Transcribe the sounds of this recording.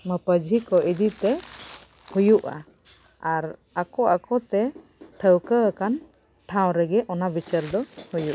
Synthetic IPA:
məpəd͡ʒʱikɔʔid̪it̪ɛ | hujuʔa̰ | aɾ | akɔʔakɔt̪ɛ | ʈʰəwkəəkan | ʈʰãw̃ɾɛɡɛʔɔnabit͡ʃaɾd̪ɔhujuʔa

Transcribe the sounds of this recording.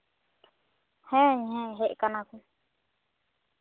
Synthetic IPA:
hẽɲɦẽɦeʔkanãku

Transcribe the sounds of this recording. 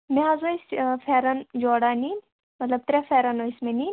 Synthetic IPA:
meɦɐzoisfʰeɾɐnd͡ʒoːɽanin | mɐt̪lɐb̚t̪ɾefʰeːɾɐnoismenin

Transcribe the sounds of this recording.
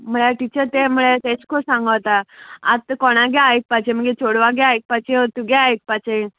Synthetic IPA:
m̤əɭaʈit͡ɕəɾt̪em̤uɭet̪et͡skʰosãŋɡəwt̪aa̰t̪kɔɽ̃aɡɛait̪̚pat͡ɕem̤əɡet͡ɕoɽʋaɡɛait̪̚pat͡ɕet̪uɡɛaɦit̪̚pat͡ɕe

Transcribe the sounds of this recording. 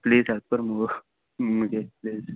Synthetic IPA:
pliːzat̪̚pəɾməɡ | məd͡ʑepliːz

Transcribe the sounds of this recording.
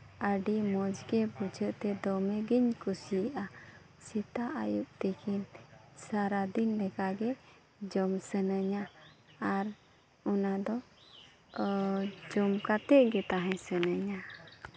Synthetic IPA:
əɖimɔd͡ʒɡɛbud͡ʒəʔt̪ɛd̪ɔmɛɡiɲkusiʔa | sit̪aʔajup̚t̪ɛkʰinsaɾad̪inlɛkaɡɛ | d͡ʒɔmsənəɲaː | ɾ | ɔnad̪ɔ | d͡ʒɔmkat̪ɛʔɡɛt̪aɦɛ̃sənəɲa

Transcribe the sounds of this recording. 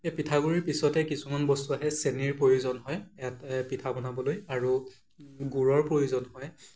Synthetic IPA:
epitʰaɡuɹiɹpisɔtɛkisumanbɔstuaɦɛseniɹpɹojuzɔnɦɔjɛatpitʰabɔnabɔlojaɹu | ɡuɹɔɹpɹojuzɔnhɔj

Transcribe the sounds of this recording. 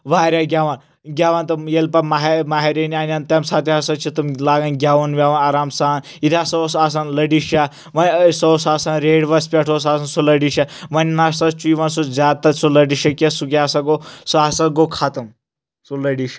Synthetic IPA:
ʋaːɾʲaɡʲaːʋan | ɡʲaːʋant̪ɐjelpɐmaɦemaɦeɾenianʲant̪ɐmsat̪iɦɐsɐt͡ʃʰit̪umlaːɡɐnɡʲaːʋɐnʋʲaʋɐnaːɾaːmsaːn | it̪ʰiasɐsas̬anlɐɖiʃja | ʋɐnsosaːsanɾeːɽʋɐspʲeʈʰos̬aːsansulɐɖiʃaʋɐnʲnast̪ɐt͡ʃuiʋansud͡zʲaːt̪ːɐsulɐɖiʃɐkʲesukʲaasɐɡosuasɐɡokʰat̪ɐm | sulɐɖiʃ

